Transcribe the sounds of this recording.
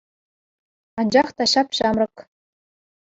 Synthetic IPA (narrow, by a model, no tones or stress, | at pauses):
ɑnd͡ʑɑχt̪ɑɕɑpɕɑmrɤ̆k